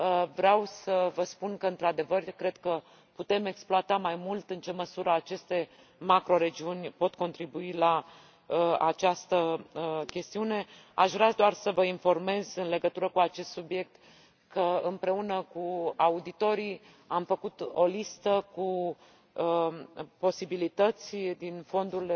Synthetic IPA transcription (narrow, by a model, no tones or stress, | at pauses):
əvɾeawsəvəspunkəɨnt̪ɾad̪e̞vərkɾe̞d̪̥kə | put̪e̞me̞ksploat̪amajmult̪ɨnt͡ʃe̞məsuɾəat͡ʃe̞st̪e̞ | makɾo̞ɾe̞d͡ʒiunʲpo̞t̪ko̞nt̪ɾibuila | əat͡ʃast̪əəkʲe̞st̪iune̞a̰ʃvɾead̪oarsəvəinfo̞rme̞zɨnle̞ɡət̪uɾəkuat͡ʃe̞st̪subije̞k̚t̪ | kəɨmpɾe̞unəkuaud̪it̪o̞ɾi | amfəkut̪o̞list̪əku | po̞sibilit̪ət̪sʲd̪info̞nd̪ul